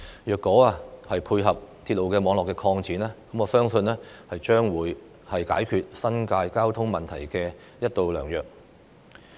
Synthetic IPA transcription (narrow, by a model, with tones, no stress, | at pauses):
jœː˨kːɔː˨˥aː˧hɐ˨jpʰuː˧jɦɐ˨p̚t̪ʰiː˧t̚lo˨wkɛː˧mɔː˨˧ŋlɔː˨kːɛː˧kʰɔː˧ŋt͡siː˨˥naː˥kɐ˨˦mɔː˨˧sœː˥ŋsɵ˧nɛː˥hɐ˨jt͡ʃœː˥ŋwuː˨˥j | hɐ˨jka̰ː˨˥jkʰyː˨˧t̚sɐ˥nkaː˧jkaː˥wt̪ʰʊ˥ŋmɐ˨nt̪ʰɐ˨˩jkɛː˧ | jɐ˥t̚t̪o˧wlœː˨˩ŋjœː˨k̚